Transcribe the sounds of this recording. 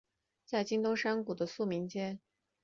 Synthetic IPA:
t͡sa˥˩ɪt͡ɕi˥ŋt̪o˥ʊʂa˥ŋku˨˩d̪ə˦su˥˩mi˧˥ŋt͡ɕjɛ˥n

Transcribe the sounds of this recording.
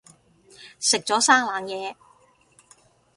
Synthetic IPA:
sɪ˨k̚t͡sɔː˨˥saː˥ŋlaː˨˧ŋjɛː˨˧

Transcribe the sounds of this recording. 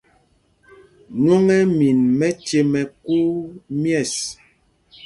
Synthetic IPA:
ɲwo˦ŋɛ˦mi˨nmɛ˦t͡ʃe˨mɛ˨ku˦mjɛ˦˨s

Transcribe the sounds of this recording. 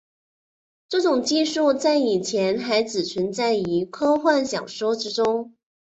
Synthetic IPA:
ʈ͡ʂɤ˥˩ʈ͡ʂʊ˨˩ŋt͡ɕi˥˧ʂu˥˧t͡sa˥˩ɪi˨˩t͡ɕʰjɛ˧˥nxa˧˥ɪt͡sɹ̩˨˩t͡ɕʰi˧˥nt͡sa˥˩ɪi˧˥kʰɤ˥xwa˥˩nɕjɑ̰˨˩ŋʂwɔ˥ʈ͡ʂɻ̩˥ʈ͡ʂʊ˥ŋ

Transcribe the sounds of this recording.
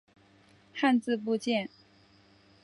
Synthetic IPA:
xa˥˧nt͡sɹ̩˥˧p̬u˥˧t͡ɕjɛ˥˩n

